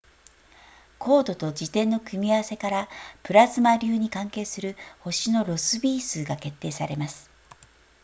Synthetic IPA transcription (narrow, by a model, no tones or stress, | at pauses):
kʰo̞ːd̪o̞t̪o̞d͡ʑit̪ẽ̞nːo̞kɯ̟mʲiaβse̞kaɾapɯ̟ɾasɨmaɾʲɨːɲ̟ikãŋke̞ːsɨɾɯ̟ho̞ɕino̞ɾo̞sɨbʲiːsɨːɡake̞t̪ːe̞ːsaɾe̞masɨ̥